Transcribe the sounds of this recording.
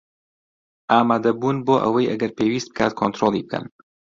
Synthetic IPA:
ʔaːmaːd̪ɐbuːnboːʔə̰wɐjʔɐɡɐɾpʰewiːst̪b̥ɨ̥kʰaːt̪̚kʰont̪ɾolˠibɨkʰɐ̰n

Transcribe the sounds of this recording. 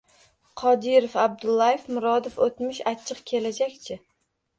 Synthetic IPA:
qʰɒd̪ɪɾofab̚d̪ʊlˠːajefmʊɾɒd̪ofot̪mɪʃat͡ʃʰːɨqkʲʰe̞lad͡ʒakʲt͡ʃʰɪ

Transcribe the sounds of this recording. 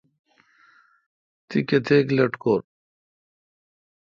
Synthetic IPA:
t̪iket̪ʰeːklɐʈkoːɾ

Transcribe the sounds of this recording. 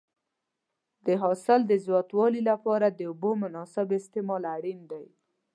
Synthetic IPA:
d̪əɦɑsɪld̪əzjɑt̪wɑlilapɑɾad̪əʊbomʊnɑsɪbɪst̪ɪmɑlaɽind̪aj

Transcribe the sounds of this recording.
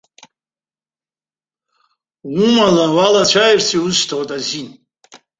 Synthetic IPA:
wumalawalat͡ʃʷʰajirsiuzʃtʰawtʼazin

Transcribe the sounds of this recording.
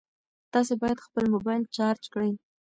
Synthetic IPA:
t̪ɑs̬ebɑjad̪xpəlmobɑjlt͡ʃɑɾd͡ʒkɽəj

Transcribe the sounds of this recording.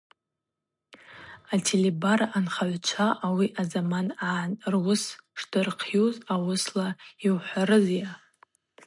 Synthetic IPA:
atʰelebaranχaʕʷt͡ʃʷʰaʔawiʔazamananrwʊsʂdɨrqʰjozawʊslaiwħʷaɾɨzja

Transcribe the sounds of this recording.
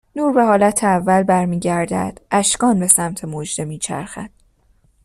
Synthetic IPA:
nuːɾbe̞ɦɒːlæt̪ʰeævːælbæɾmiːɟæɾd̪æ̰d̪̥ʔæʃkɒːnbe̞sæmt̪ʰe̞mod͡ʒd̪e̞miːt͡ʃʰæ̰ɾxæ̰d̪̥

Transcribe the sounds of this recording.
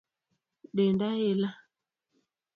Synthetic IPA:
ɗendajela

